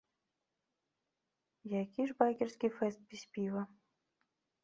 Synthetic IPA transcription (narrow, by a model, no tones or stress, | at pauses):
jakʲiʐbakʲɛrsʲkʲifɛst̪̚bʲisʲpʲivɐ